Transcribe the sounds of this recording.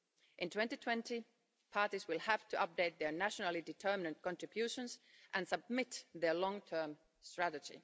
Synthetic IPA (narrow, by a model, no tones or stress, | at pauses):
ʔɨ̃ntʰw̥ɛ̃ntitʰw̥ɛ̃nti | pʰɑɹtizwɪlˠhæftʰuʌp̚deɪt̪̚ðə˞næʃənəl̩ˠidɪtʰɜ˞mɪnə̃nt̚kɔ̃ntɹ̥ɨbjʉʃə̃nsʔɨ̃nsʌb̚mɪt̪ðə˞lɔ̃ŋtʰɜː˞m | stɹ̥æɾəd͡ʒḭ